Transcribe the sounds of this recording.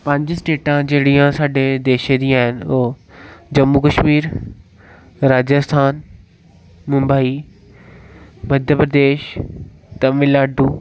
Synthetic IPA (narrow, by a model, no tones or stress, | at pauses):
pə̃ɲd͡ʒsʈeːʈãd͡ʑeːɽijãsaːɖed̪eːʃed̪ĩjãːɦɪnoːd͡ʑɐmːukəʃmiːɾ | ɾaːd͡ʑəst̪ʰaːn | mʊ̃mbəːi | mɐd̪ʱjəpɾəd̪eːʃ | t̪ɐmɪlaːɖuː